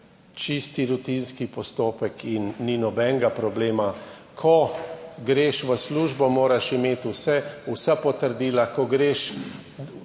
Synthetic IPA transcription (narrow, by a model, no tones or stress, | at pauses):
t͡ʃist̪iɾut̪inskipɔst̪oːpɛkʰinːinɔbɛŋɡapɾɔbleːma | kʰɔɡɾeːʃʋəsluːʒbɔmoːɾaʃimeːt̪usɛusapɔt̪əɾd̪iːlakɔɡɾeːʃ